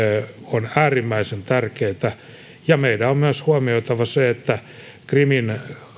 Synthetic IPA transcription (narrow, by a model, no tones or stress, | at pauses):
onæːrimːæisent̪ærkeːt̪æ | jɑmeidæommyæshuɑmioit̪ɑʋɑseet̪ːæ | krimin